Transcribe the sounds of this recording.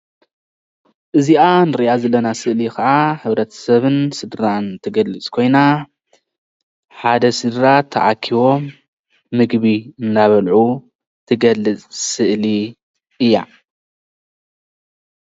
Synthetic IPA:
ʔɨziʔanɨɾiʔazɐlːɐnasɨʔlikɐʕaħɨβɾɐt̪ʰɐ̥sɐβɨnsɨd̪ɾant̪ʰɨɡɐlːɨt͡sʼkʰo̞jna | ħad̪ɐsɨd̪ɾat̪ʰːɐ̰ʕakʰiβo̞mː | ɨɡβiɨnd̪aβɐlʕu | t̪ʰɨɡɐlːɨt͡sʼsɨʔli | ɨjːa̰

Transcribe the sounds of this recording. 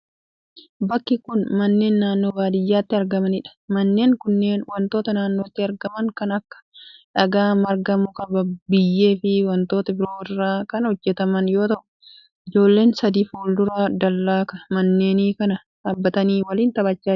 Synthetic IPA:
bɐkːɪkʊnmɐnːe̞ːnːaːnːo̞ːbaːd̪ɪjːaːt̪ːɪɐɾɡɐmɐnɪᶑɐ̥mɐnːe̞ːŋkʊnːe̞ːnwɐnt̪o̞ːt̪ɐnaːnːoːt̪ːɪɐɾɡɐmɐŋkɐnɐkːɐ̥ᶑɐɡaːmɐɾɡɐmʊkɐbɐbɪjːe̞ːfɪwɐnt̪o̞ːt̪ɐbɪɾo̞ːɪrːaːkɐnhɔd͡ʒːɛt̪ɐmɐnjo̞ːt̪ɐʔʊ̥ | ʔɪd͡ʒo̞ːlːe̞ːnsɐd̪iːfoːld̪ʊɾaːd̪ɐlːaːkɐ̥mɐnːe̞ːniːkɐnɐ | ᶑaːbːɐt̪ɐniːwɐliːnt̪ɐbɐt͡ʃːaː

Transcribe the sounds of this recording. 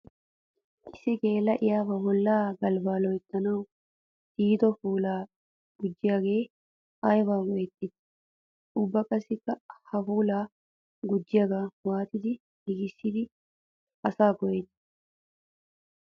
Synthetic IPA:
ʔɪsɪke̞ːlːɐʔɪjaːbɐbɔlːaːɡɐlbaːlɔjt̪ːɐnɐw | d̪iːt̪ɔfuːlaː | ɡ̥ʊd͡ʒːɪjaɡe̞ː | ajbaːɡɔjɛt̪ːɪt̪ | ʊbːɐkʼɐsɪkːɐhɐfuːlaː | ɡʊd͡ʒːɪjɐɡaːwaːt̪ɪd̪ɪ | dɪɡɪsːɪd̪ɪ | ʔɐsaːkɔjɛt̪ːɪ̥

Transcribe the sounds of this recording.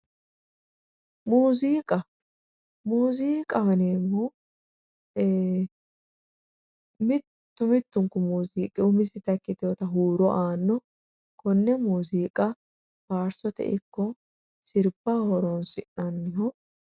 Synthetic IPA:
muːziːkʼɐ | muːziːkʼɐhɛneːmːo | mɪt̪ːʊmɪt̪ːʊŋkʊmuːziːkʼɪʊmɪsɪt̪ɐkːɪt̪ɔt̪ɐɦuːɾɔʔaːnːɔ | kʰɔnːɛmuːziːkʼɐ | baːɾsɔt̪ɛ̰ʔɪkːɔ | sɪɾbahɔɾɔnsɪ̰ʔɐnːɪɦɔ

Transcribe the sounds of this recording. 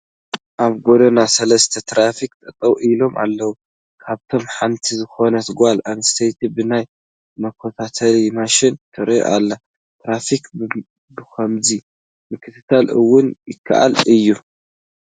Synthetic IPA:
ʔaβɡo̞d̪ɐnasɐlɐst̪ʰɐt̪ʰɾafik̚t̪ʼɐt̪ʼɐwʔilo̞ma̰lːɐwu | kʰaβt̪ʰo̞mħant̪ʰizɨxo̞nɐt̪ɡʷalaβɨst̪ʰejt̪ʰibɨnaj | mɐkʰːot̪ʰat̪ʰɐlimaʃɪnt̪ʰɐɾjo̰ʔalːa | t̪ɾafik | bɨkʰɐmzi | mɨkʰːɨt̪ʰɨt̪ʰalʔɨwːʊnjɪkʰːa̰ʔa̰lɨjːu

